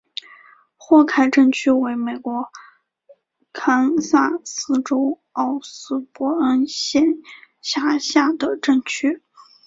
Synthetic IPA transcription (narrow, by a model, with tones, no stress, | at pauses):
xwɔ˥˩kʰa˥ɪʈ͡ʂɤ˥˩nt͡ɕʰy˥we˧˥ɪme˨˩ɪkwɔ˧˥ | kʰa˥nsa˥˩sɹ̩˥ʈ͡ʂo˥ʊ | ɑ˥˩ʊsɹ̩˥pwɔ˥ə˥nɕjɛ˥˩n | ɕja˥ɕja˥˩d̪ə˩ʈ͡ʂɤ˥˩ŋt͡ɕʰy˥